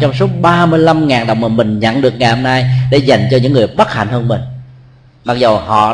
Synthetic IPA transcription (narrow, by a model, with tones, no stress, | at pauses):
t͡ɕɔ˧wŋ͡msu˦˥ək͡p̚ɓaː˧mɨ˧əjla˧mŋaː˨˩ŋɗə˨˩wŋ͡mmə˨˩mï˨˩ŋ̟ɲə̰˧˥nɗɨ˨˩ək̚ŋa˨˩jho˧mnaː˧jɗḛ˧˩˦za˨˩jŋ̟t͡ɕɔ˧ɲɨ̰˧˥ŋːɨ˨˩əjɓə˦˥t̚ha̰˧˩jŋ̟həː˧nmï˨˩ŋ̟ | ɓa˦˧˩k̚zə˨˩whɔ̰˧˨